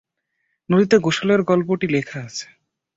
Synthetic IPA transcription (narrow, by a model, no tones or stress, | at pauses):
noɾit̪eɡoʃoleɾɡɔlpoʈilekʰaat͡ɕʰe̥